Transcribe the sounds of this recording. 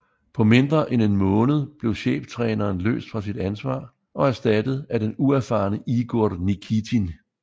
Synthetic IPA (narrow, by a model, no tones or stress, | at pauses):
pʰɒ̽me̝nd̥ʁɐʔene̝nmɔ̽ːnəð̞̩ˠb̥le̝ʊɕḛːb̥t͡sʰʁɛːnɐːnlø̰ːsd̥fʁɑ̈sid̥ænsʋɑ̰̈ː | ɒ̽æɐsd̥æd̥əð̩ˠæd̥enuæɐfɑ̈ːnəʔiɡ̥o̝ɐ̰d̥nikʰit͡sʰin